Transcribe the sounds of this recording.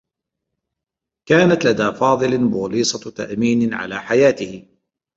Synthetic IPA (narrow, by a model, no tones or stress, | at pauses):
kaːnat̪lad̪aːfɑːðˤɨlbuːliːsˤɑt̪aʔmiːnʕa̰laːħajaːt̪ɪhɪ